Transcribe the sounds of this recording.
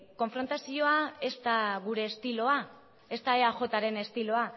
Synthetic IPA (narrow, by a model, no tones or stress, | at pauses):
ko̞ɱfɾo̞nt̪asio̞ae̞st̪aɣuɾe̞ːst̪ilo̞a | e̞st̪aeaʝo̞t̪aɾe̞ne̞st̪ilo̞a